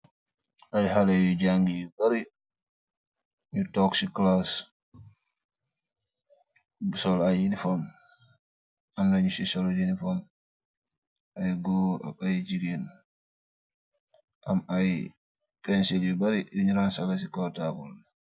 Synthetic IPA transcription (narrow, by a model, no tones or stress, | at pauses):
ʔajhalejud͡ʒaŋɡijubaɾi | ɲutɔksiklas | bsɔlajinifɔm | amnaɲusisɔld͡ʒinifɔm | ajɡua̰ajd͡ʒiɡen | ʔamaj | pɛnsiljubaɾijuɲuɾansalas̬ikɔtakɔ̰l